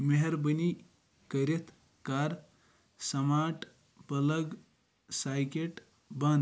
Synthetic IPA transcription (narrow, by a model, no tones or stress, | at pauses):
meɦeɾbəni | kəɾet̪ʰ | kaɾ | sɐmaʈ | pələɡ | sajkeʈ | ban